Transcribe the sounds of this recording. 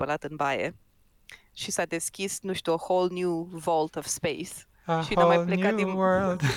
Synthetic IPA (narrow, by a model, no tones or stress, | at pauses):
pəlat̪ɨnbajḛ | ʃisad̪eskʲisnuʃt̪uəholnjuvolt̪ov̥spejs | əʃih̪əmajlˠlenkaiwɜ˞lˠd